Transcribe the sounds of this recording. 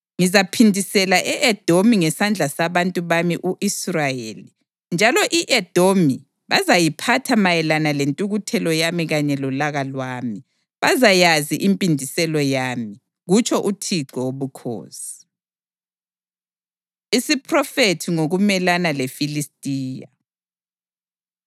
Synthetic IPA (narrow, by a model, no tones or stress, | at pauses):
ŋizapʰindʱisɛlaʔɛʔɛd̥ʱomiŋɛsand͡ɮʱasaβantʼuβamiʔuʔisrajeːli | nd͡ʒʱalɔʔiʔɛd̥ʱomi | βazajipʰatʰamajɛlanalentʼuɣutʰɛlɔjamiɣaɲɛlulaɣalwaːmi | βazajaziʔimpʼindʱisɛlɔjami | ɣut͡ʃʰʼɔʔutʰiɡ̥ʱɔwoβukʰo̰ːsi̥ | isipʰrɔfetʰiŋoɣumɛlanalefilistʼiːja̰